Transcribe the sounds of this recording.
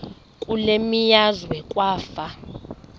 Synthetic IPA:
kʼulemijazwɛkʼwaːfa

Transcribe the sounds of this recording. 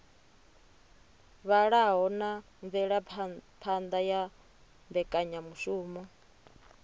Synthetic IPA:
βaɺaɦɔna | ɱvɛɺapʰand̪aja | mbɛkʼaɲamuʃuːmɔ

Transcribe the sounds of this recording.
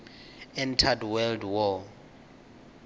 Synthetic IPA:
ɛntʰadwɛldwɔ

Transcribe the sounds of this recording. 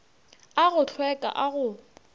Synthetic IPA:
aɣʊɬʰwɛkʼa̰ʔaɣʊ

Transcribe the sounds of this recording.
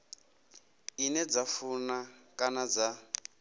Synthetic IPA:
inɛd͡zafunakʼanad͡za

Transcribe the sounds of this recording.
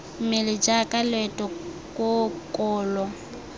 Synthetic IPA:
mɪlɪd͡ʒakʼalɛtʼɔ | kʼokʼɔːlɔ

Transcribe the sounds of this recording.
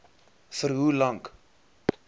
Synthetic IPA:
fəɾɦulɐŋk

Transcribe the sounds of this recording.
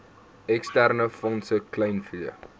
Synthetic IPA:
ɛkstærnəfɔnsəklɛjnfliə̰

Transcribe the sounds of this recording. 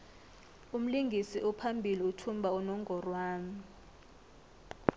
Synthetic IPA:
um̩liŋɡʱisiʔupʰambʱiliutʰumbʱaunɔŋɡʱɔrwaːni

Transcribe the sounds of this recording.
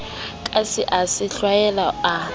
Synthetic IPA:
kʼasɪʔasɪɬwajɛlaa

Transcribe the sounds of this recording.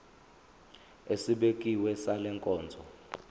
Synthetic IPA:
esiɓek̬ʼiwɛsalɛŋkʼɔːnd͡zʱɔ

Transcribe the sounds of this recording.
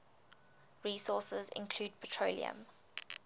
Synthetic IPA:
ɹiːsɔːˑsəzɪ̰̃nkʰl̥uːd̚pʰətʰɹ̥oʊlḭə̰̃m

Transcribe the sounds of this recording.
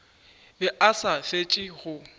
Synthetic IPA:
bɪʔasafet͡ʃʼɪɣʊ

